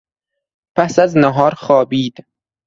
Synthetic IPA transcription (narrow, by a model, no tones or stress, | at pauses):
pʰæsæznæɦɒːɾxɒːbiːd̪